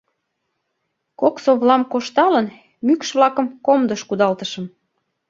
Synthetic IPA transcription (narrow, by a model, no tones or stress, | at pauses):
koksoβlɑmkoʃt̪ɑlən | mykʃβlɑkəmkomd̪əʃkud̪ɑlt̪əʃəm